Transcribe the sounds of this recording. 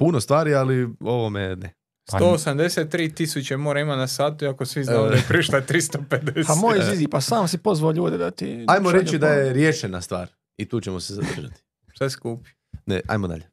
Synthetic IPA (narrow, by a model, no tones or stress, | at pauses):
punost̪ʋaːɾialio̞ʋomene | soosamd̪e̞set̪ːɾiːt̪isut͡ʃemoːɾaimanasaːt̪uiakosʋiznepɾiʃlat̪ɾist̪oped̪espamojizzizipasaːmsipozʋaoʎuːd̪ed̪at̪iajmoɾe̞t͡ʃid̪ajeɾjeʃenast̪ʋa̰ːɾ | it̪uːt͡ʃemoseza̰d̪r̩ʒa̰t̪i̥ | sʋeskuːpi | nḛʔa̰jmod̪a̰ʎe